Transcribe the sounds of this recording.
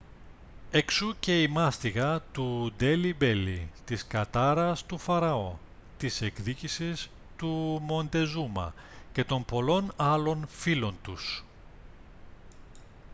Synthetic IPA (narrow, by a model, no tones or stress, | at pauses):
eksuce̞imɐst̪iɣɐt̪ud̪e̞libe̞lḭt̪iskɐt̪ɐɾɐst̪ufɐɾɐo̞ | t̪ise̞kðicisis | t̪umo̞nd̪e̞zumɐ̰ | ce̞t̪o̞mpo̞lo̞nɐlo̞nfilo̞nt̪us